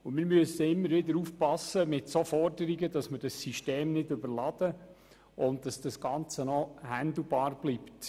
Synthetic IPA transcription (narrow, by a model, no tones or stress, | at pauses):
ʊnmɪɾmyəsəɪmːəɾʋɪdəɾuːfpɑsəmɪtsofɔɾdəɾiɡədɑsməɾd̥ɑsːiʃteːmnɪdʏbəɾlɑd̥ə | ʔʊnt̚d̥ɑsd̥ɑsɡ̥ɑnt͡sənɔhænd̪l̩bɑːɾb̥lipt